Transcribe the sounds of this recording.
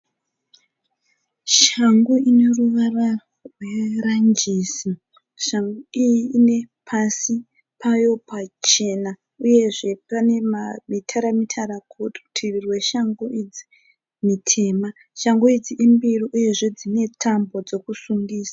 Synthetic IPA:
ʃaŋɡuine̞ruʋara | rwe̞rand͡ʒiːsi | ʃaŋɡuiiːne̞pʰasi | pʰajo̞pat͡ʃe̞na | uje̞ʐe̞pane̞mamitʰaɾamitʰaɾakʰuttʰirirwe̞ʃaŋɡuʔid͡zi | mitʰe̞ːma | ʃaŋɡuid͡ziʔimbiriʔuje̞ʐe̞d͡zine̞tʰambo̞d͡zo̞kusuŋɡiːsḁ

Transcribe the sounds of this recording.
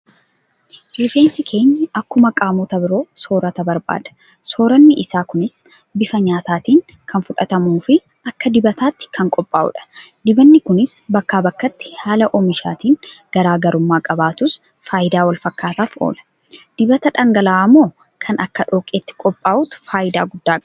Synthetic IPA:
lɪfeːnsɪkʰe̞ːɲːɐʔɐkːʊmɐkʼaːmoːt̪ɐbɪɾo̞ːso̞ːɾɐt̪ɐbɐɾba̰ːd̪̥ɐ̥ | so̞ːɾɐnːɪʔɪsaːkʊnɪs | bɪfɐɲaːt̪aːt̪iːŋ | kʰɐnfʊᶑɐt̪ɐmuːfɪ | ɐkːɐd̪ɪbɐt̪aːt̪ːɪ̥kʰɐŋkʼɔpʼːa̰ːʔʊ̰ᶑɐ̥d̪ɪbɐnːɪkʊnɪsbɐkːaːbɐkːɐt̪ːɪ̥haːlɐʔɔmɪʃa̰ːt̪iːŋɡ̥ɐɾaːɡɐɾʊmːaːkʼɐbaːt̪ʊs | faːjɪd̪aːwɐlfɐkːaːt̪aːfo̰ːlɐ̥ | d̪̥ɪbɐt̪ɐᶑɐŋɡɐlaːɐmːoː | kʰɐnɐkːɐᶑo̞ːkʼeːt̪ːɪ̥kʼɔpʼːaːʔʊt̪ʊ̥faːʔɪd̪a̰ːɡʊd̪ːaː

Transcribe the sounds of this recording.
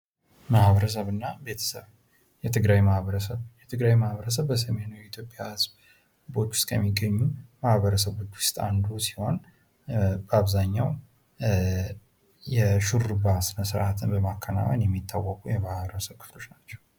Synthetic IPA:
mahβəɾəs̬əβɨnːabe̞t̪ʰə̥sə̰β | jɛt̪ʰɨɡɾajmahβəɾəsəβjɛt̪ʰɨɡɾajmahβəɾəs̬əβbəs̬əme̞nuwjɛit̪ʰjo̞pʼːjahɨzb | bo̞t͡ʃːwʊ̥skʰəmːiɡəɲːumahβəɾəs̬əβo̞t͡ʃːwʊst̪ʼa̰nd̪usi̥ho̞n | bəaβzaɲːaw | jɛʃuɾɨbasɨməsɾʔat̪ʰɨnbəmakʰːəna̰wa̰njɛmːit̪ʰːawːɔkʼujɛmahβəɾəsəβkʰɨ̥flo̞t͡ʃːnat͡ʃːɛw

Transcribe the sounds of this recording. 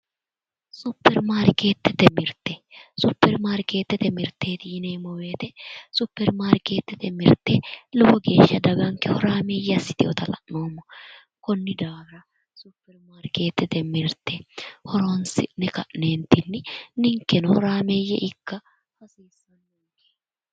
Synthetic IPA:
sʊpːɛɾmaːɾke̞ːt̪ːɛt̪ɛmɪɾt̪ɛsʊpːɛɾmaːɾke̞ːt̪ːɛt̪ɛmɪɾt̪ːe̞ːt̪ɪɪneːmːɔwe̞ːt̪ɛsʊpːɛɾmaːɾɪke̞ːt̪ːɛt̪ɛmɪɾt̪ːelɔwɔɡe̞ːʃːɐd̪ɐɡɐŋkɛhɔɾaːmeːjːɛɐsːɪ̥t̪ɪɔ̰t̪ɐlɐ̰ʔno̞ːmːɔ | kɔnːɪd̪aːɡɾɐ | sʊpːɛɾmaːɾke̞ːt̪ːɛt̪ɛmɪɾt̪ːɛhɔɾowɐnsɪnɛkɐʔneːnt̪ːɪnːɪnɪŋkːɛnɔhɔɾaːmeːjɛ̰ʔɪkːɐ | hɐsiːsːɐnːoːke̥ː

